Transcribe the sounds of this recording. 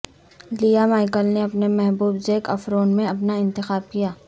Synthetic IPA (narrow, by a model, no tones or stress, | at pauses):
liːjamaːɪkəlneɐpnemɛɦbuːbd͡ʒeːkɐfɾoːnmẽɐpnaɪ̃nt̪ɪxaːb̚kijaː